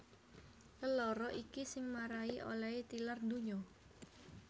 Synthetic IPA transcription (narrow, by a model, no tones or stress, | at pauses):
ləlɔɾɔʔikisɪŋmaɾaiʔo̰lait̪ilərnd̪uɲɔ